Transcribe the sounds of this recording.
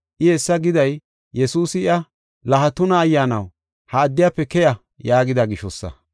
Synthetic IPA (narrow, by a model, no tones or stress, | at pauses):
ʔɪesːɐɡɪd̪ɐj | jɛsuːsɪɪɐ | lɐɦɐt̪ʊnɐːjːaːnɐ̰w | hɐːd̪ːɪjaːpːɛkɛjɐ | jaːɡɪd̪ɐɡɪʃɔsːɐ̰